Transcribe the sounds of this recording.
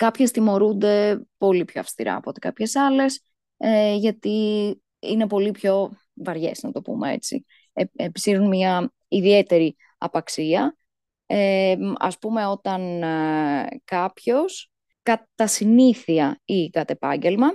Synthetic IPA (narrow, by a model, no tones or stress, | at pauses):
kɐpçe̞st̪imo̞ɾund̪e̞po̞lipço̞̰ɐ̰fst̪iɾɐ̰ːpo̞t̪e̞kɐpçe̞sɐle̞s | eʝɐt̪i | ḭne̞po̞lipço̞ | vɐɾʝe̞̰znɐt̪o̞pṵmee̞̰t͡sḭ | eepisiɾunmɲɐ | iðie̞t̪e̞ɾi | ɐ̰pɐksiɐ | eɐ̰spume̞o̞t̪ɐn | kɐpço̞s | kɐt̪ɐsiniθiɐikɐt̪epɐɲɟe̞lmɐ